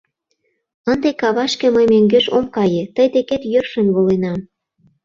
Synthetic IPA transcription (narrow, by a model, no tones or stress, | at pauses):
ənd̪ekɑβɑʃkĕməjmeŋɡøʃomkɑjet̪əjd̪eket̪jørʃə̆mβolenɑm